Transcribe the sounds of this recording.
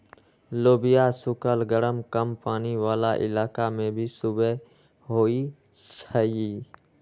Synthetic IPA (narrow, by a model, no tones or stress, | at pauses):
loːbɪjasʊkəlɡəɾəmkəmpaːniwaːlaʔɪ̰laːkamẽbʱisʊbe | ɦoːi | t͡ʃʰəi